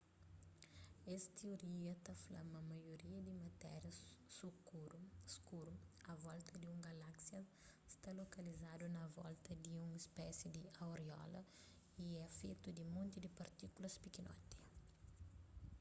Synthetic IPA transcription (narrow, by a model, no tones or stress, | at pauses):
ɛst̪eoɾiɐt̪ɐflɐ̰mɐmɐjoɾiɐd̪ɪmɐt̪ɛɾjɐsukuɾuskuɾuɐvɔlt̪ɐd̪iũŋɡɐlaksjɐ | st̪alokɐlizad̪unɐvɔ̰lt̪ɐd̪iũŋispɛsjid̪ɪɐwɾeɔ̰lɐ̰ | iɛfet̪ud̪ɪmõnt̪id̪ɪpɐɾt̪ikulɐspikinɔ̰t̪i